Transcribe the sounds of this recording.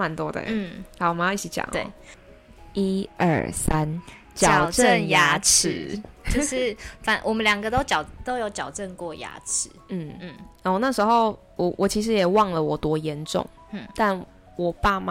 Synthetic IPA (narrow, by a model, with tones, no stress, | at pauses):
ma˨˦nt̪wɔ˦d̪ə̰˨˥˩a˧˦wɔ˨˩m˦ji˥˩t͡ɕʰi˨˩t͡ɕja̰˨˩ŋt̪wḛ˥˩˨ | i˦ʔə̰˥˨˩sa˦n | t͡ɕjɑ˨ʊʈ͡ʂə˥˨nja˧˥ʈ͡ʂ̩ʰ˧˦jo˥˧ʊʂɻ̩˥˩fa˨˦nwʔɔ˨˩mə˦nljɑ˨˩ŋɡə˦t̪o˥ʊt͡ɕjɑ˨˩ʊt̪o˥ʊjo˧˥ʊt͡ɕjɑ˨˩ʊʈ͡ʂə˥˧nkwɔ˥˩ja̰˥ʈ͡ʂ̩ʰ˨˦n̩˥˩n̩˥˩ɔ˥˩na˥˩ʂɻ̩˧˥xo˥˨ʊ | wɔ˨˩wʔɔ˨˩t͡ɕʰi˧˥ʂ̬ɻ̩˧˦jɛ˨˩wɑ˥˨˩ŋlə˨wɔ˨˩t̪wɔ˦jɛ˧˦nʈ͡ʂʊ̰˨ŋ | n̩˥˩t̪a˥˩n | wɔ˨˩pa˥˩ma˨